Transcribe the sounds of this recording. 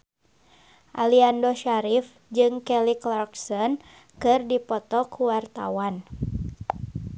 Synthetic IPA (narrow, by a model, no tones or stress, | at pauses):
ʔaliandɔʃaɾif | d͡ʒɨŋkɛliklarksɔn | kɨrdipɔt̪ɔkuwart̪a̰wan